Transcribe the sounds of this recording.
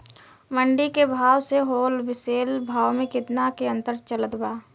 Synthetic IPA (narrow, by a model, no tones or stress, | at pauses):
məɳɖikebʱaːwseɦoːlʋɪseːlbʱaːwmẽkɪt̪nakeə̃nt̪əɾt͡ʃələd̪baː